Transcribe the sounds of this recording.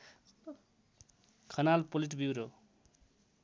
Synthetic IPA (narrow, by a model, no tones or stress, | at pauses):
kʰʌnalpoliʈ̬biwɾo